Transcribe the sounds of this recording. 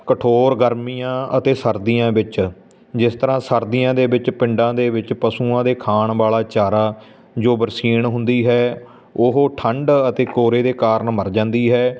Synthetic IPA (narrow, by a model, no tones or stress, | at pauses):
kəʈʰoːɾɡəɾmiːãːət̪eːsəɾd̪iːjãːbɪt͡ʃ | d͡ʒɪst̪əɾãːsəɾd̪ijãːd̪eːbɪt͡ʃpɪ̃ɳɖãːd̪eːʋɪt͡ʃpəsuːãːd̪eːkʰaːɳʋaːlaːt͡ʃaːɾaː | d͡ʒoːbəɾsiːɳɦʊnd̪iːɦɛː | ʊɦoʈʰəɳɖət̪eːkoːɾeːd̪eːkaːɾɳməɾd͡ʒãːnd̪iːɦɛː